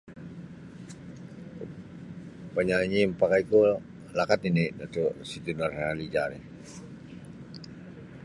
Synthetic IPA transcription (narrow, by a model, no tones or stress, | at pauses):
paɲaɲimpakaiko | lakat̪inidatosit̪inaralid͡ʒaɾe